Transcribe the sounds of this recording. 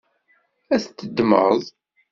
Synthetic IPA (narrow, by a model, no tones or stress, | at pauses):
æθt̪ːəd̪mə̰ðˤ